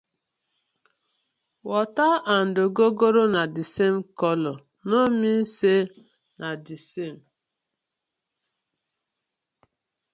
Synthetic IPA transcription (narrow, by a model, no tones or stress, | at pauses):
wɔtaan̩doɡoɡoɾonadisem̩kɔlɔ | nomin̩se | nʔadisem̩